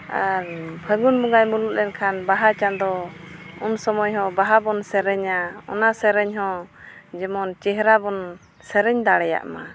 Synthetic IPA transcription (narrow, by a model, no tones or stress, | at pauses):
a̰ɾbʰʱəɡunmuɡajmuluʔɾɛnkʰanbaɦat͡ʃand̪ɔunsɔmɔjɦɔ̃baɦabɔnsɛɾɛɲaɔ̰nasɛɾɛɲɦɔ̃d͡ʒɛmɔnt͡ʃɛɦɾabɔn | sɛɾɛɲd̪aɽɛja̰ʔma̰